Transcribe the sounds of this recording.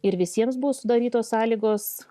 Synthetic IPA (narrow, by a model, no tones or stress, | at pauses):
ɪɾʋʲɪsʲiɛmsbʊʋoːsʊd̪ɐɾʲiːt̪oːsɑːlʲiːɡoːs